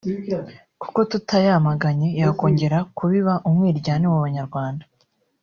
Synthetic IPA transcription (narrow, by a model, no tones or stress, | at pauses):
ku̥ko̞tutʰajamaɡaɲe̞jako̞ːɲɟe̞ɾakuβiβaʔumŋiːɾɟaːniwaβaɲaɾɡwaːnda